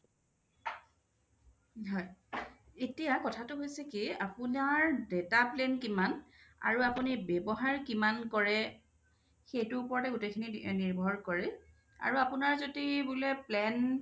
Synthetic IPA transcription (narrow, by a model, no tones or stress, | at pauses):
ɦɔj | etijakɔtʰatʊɦojsɛkiapʊnaɹdetaplɛnkimana̰ɹuapunibɛbɔɦaɹkimankɔɹɛ | xejtʊupɔɹatɛɡutekʰininiɹbʱɔɹkɔɹɛ | a̰ɹuapunaɹzodibulɛplɛn